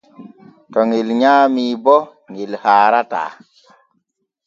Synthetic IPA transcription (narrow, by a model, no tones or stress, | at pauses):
tɔŋelɲamiːbɔ | ŋelhaːɾata̰ː